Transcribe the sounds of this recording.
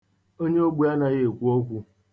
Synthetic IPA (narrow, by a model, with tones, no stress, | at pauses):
o˦ɲe˦o˦ɡ͡bu˨˦a˦na˨ɣe˦e˨kʷu˦o˦kʷu˦